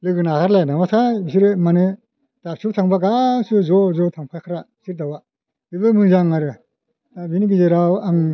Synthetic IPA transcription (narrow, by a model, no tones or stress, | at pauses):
lɯɡɯnakaɾlajnawatʰajis̬iɾemane | d̥asutʰaŋbaɡasɯzɔzɔtʰaŋpʰajkʰaɾa | siɾdawa | bibɯmɯzaŋːaɾa | dabiniɡizeɾawaŋ